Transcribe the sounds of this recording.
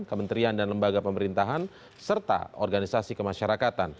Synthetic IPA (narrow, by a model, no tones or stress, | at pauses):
kəmənt̪ɾiandanləmbaɡapəməɾint̪aɦan | sərt̪a̰ɔrɡanisasikəmaʃaɾakat̪an